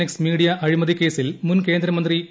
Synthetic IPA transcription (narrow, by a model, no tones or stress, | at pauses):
eksmiːɽijɐʔɐɻimɐðike̞ːsilmunke̞ːnd̪ɾɐmɐnd̪ri